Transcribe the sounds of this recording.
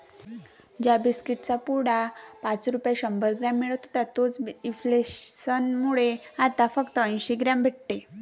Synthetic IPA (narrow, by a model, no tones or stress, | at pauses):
d͡ʑjabiskiʈt͡sapuɽapat͡sɾupjaɕəmbəɾɡɾamːiɭət̪ot̪at̪ot͡siflesənmuɭeat̪afəkt̪əĩnɕiɡɾambʱeʈ̚t̪e